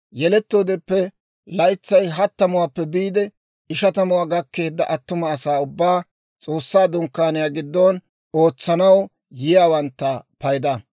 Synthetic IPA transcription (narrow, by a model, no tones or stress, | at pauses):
jɛlɛt̪ːo̞ːd̪ɛpːɛ | lɐjt͡sːɐjɦɐt̪ːɐmʊwaːpːɛbiːd̪ɛ | ɪʃɐt̪ɐmʊwaːɡɐkːe̞ːd̪ːɐʔɐt̪ːʊmɐːsaːʊbːaː | t͡sʼo̞ːsːaːd̪ʊŋkːaːnɪjaːɡɪd̪ːon | oːt͡sːɐnɐw | jɪjaːwɐnt̪ːɐpɐjd̪ɐ